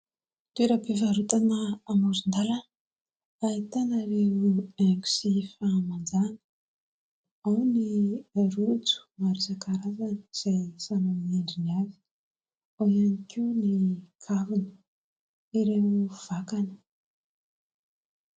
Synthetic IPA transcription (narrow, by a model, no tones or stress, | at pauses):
t̪ueɾəpivaɾut̪anəːmazund̪alan | ait̪anaɾeueŋɡu̥sifamand͡zanə̥ | awniaɾut͡su̥maɾisakaɾavanəz̥ajsanomeɳɖ͡ʐiniavi̥ | aianikiunikʰavinə̥ | iɾeuv̥akanə̥